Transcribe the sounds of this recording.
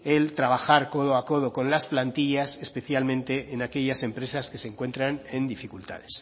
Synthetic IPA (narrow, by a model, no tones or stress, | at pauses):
elt̪ɾaβaxaɾko̞ðoako̞ð̞o̞kõ̞nlasplant̪iʎasespe̞θjalmẽnt̪e̞ʔːnake̞ʎase̞mpɾe̞saske̞seŋkwe̞nt̪ɾanend̪ifikult̪a̰ðes